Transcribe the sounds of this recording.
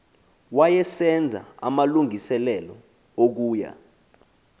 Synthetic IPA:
wajɛsɛnd͡zʱa̰a̰maluŋisɛlɛlɔ | ok̬uːja̰

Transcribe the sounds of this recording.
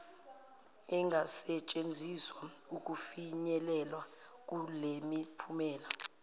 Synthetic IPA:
ɛŋɡʱasɛt͡ʃʼend͡zʱiswauk̬ʼufiɲɛlɛlwa | k̬ʼulemipʰumɛːla

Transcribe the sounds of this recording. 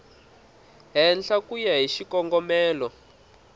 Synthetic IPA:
ɦɛnɬakujaɦiʃikɔŋɡɔmɛːlɔ

